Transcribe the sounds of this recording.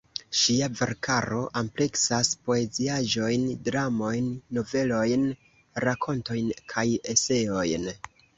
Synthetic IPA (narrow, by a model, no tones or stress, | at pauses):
ʃiave̞̰ɾkʰaɾo̞ʔample̞ksaspo̞e̞ziaʒo̞jndɾamo̞jnːo̞ve̞lo̞jn | ɾakʰo̞nto̞jnkʰajese̞o̞jn